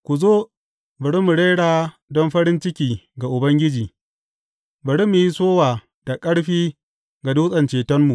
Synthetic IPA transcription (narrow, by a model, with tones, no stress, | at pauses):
kʷu˨zoː˦ | bɐ˨ɽi˦mu˨ɽe˦ɽaː˨ | dɔ˦mɸɐ˦ɾɪ˦nt͡ʃɪ˦kʲiː˨ɡa˨ʔʊ˨bɐ˦ŋɡʲɪ˦d͡ʒiː˨ | bɐ˨ɽi˦mu˨ji˦soː˦waː˨ | d̥a˨kʼɐ˦ɽɸiː˦ | ɡa˨duː˦sʼɐ˨nt͡ʃeː˨tɔ˦mːu˨ʔ